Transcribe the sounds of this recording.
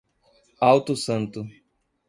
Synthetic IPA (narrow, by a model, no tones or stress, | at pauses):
awt̪ʊsɐ̃nt̪ʊ